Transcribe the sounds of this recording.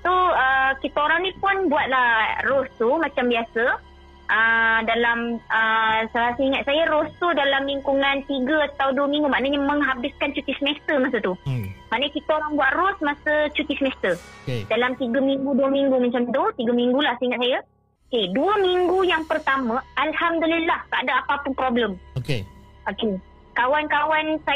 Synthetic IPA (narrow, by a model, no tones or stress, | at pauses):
t̪uəkit̪aoɾaŋnĩpʊnbuwat̪̚lahrɔst̪umat͡ʃambiasə | ʔədalamʔəsalasəiŋat̪̚sajaɾost̪udalamliŋkuŋant̪iɡəat̪awduəmĩŋɡumaʔnəɲəməŋɦabɪskant͡ʃut̪ɪsmɛst̪əmasət̪umaʔnəkit̪aoɾaŋbuat̪ɾɔsmasət͡ʃut̪ɪsmɛst̪ədalamt̪iɡamiŋɡuduəmiŋɡuməɲt͡ʃamd̪ut̪iɡamiŋɡulahsəiŋat̪̚saja | okeduəmiŋɡujaŋpərt̪amãalhamdulilːahk̪adaapapʊnpɾobləmokeʔoke | kawankawansa